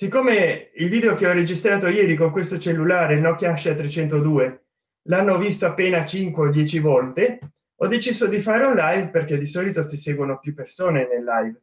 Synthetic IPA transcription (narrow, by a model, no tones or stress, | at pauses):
sikːoːmeilviːd̪eokeɔred͡ʒist̪ɾaːt̪ojɛːɾikoŋkwest̪ot͡ʃelːulaːɾenɔkːjaʃːat̪ːɾet͡ʃɛnt̪od̪uːe | lanːovist̪oapːeːnat͡ʃiŋkweod̪jɛːt͡ʃivɔlt̪e | ɔd̪ːet͡ʃizod̪ifaːɾeunlajvperk̟ed̪isɔːlit̪osiseːɡwonopjupːersoːnenelːajv